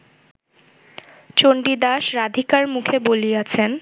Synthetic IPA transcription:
t͡ɕoɳɖid̪aʃɾad̪ʱikaɾmukʰebolijat͡ɕʰen

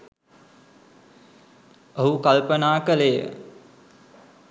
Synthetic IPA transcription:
əɦukalpənaːkəlejə̰

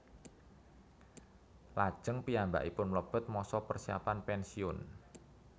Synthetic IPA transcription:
lad̥ʒ̥əŋpiamba̰ʔipʊnmləb̥ə̤t̪̚mɔsɔpərsia̰panpɛnsiʊn

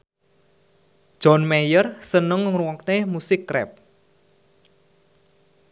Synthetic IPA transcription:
ʒ̥ɔnmɛjərsənəŋŋruwɔknemusɪkːɾɛ̰p̚

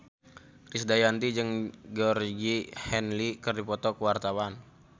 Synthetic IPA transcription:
risdajant̪id͡ʒɨŋɡɔrɡihɛnlikɨrdipɔt̪ɔkəwart̪awan

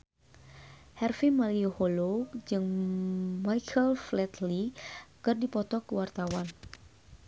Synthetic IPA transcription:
hɛrfimaliuhɔlɔkd͡ʒɨŋ | majkʰəlflɛt̪likɨrdipɔt̪ɔkəwart̪awan

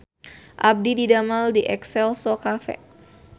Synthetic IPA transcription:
ʔab̚dididamaldiʔɛksɛlsɔkafɛ̰

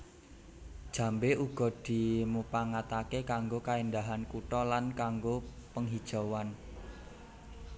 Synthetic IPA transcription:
d̥ʒ̥ä̤mbeʔuɡ̥ɔ̤d̪̥i̤mupaŋat̪akekaŋɡokaend̪aɦankuʈɔlankaŋɡopəŋɦid̥ʒ̥ɔ̤wan

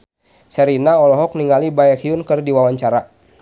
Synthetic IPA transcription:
sɛɾinaɔlɔɦɔk̚niŋalibaɛkhiʊnkɨrdiwawaɲt͡ʃaɾa

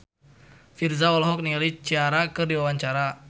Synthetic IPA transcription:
firzaɔlɔɦɔk̚niŋalit͡ʃiaɾakɨrdiwawaɲt͡ʃaɾa

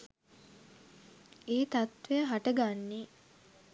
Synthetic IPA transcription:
eːt̪at̪ʋejəɦaʈəɡanːe

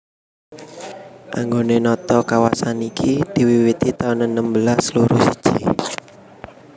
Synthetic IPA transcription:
ʔa̰ŋɡonenɔt̪ɔkawasanikʰid̪̥i̤wiwit̪it̪aunənəmbəlasluɾusid̥ʒ̥i

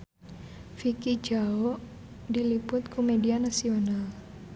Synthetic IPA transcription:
fikid͡ʒaoʔ | dilipʊt̪̚kumedianasional

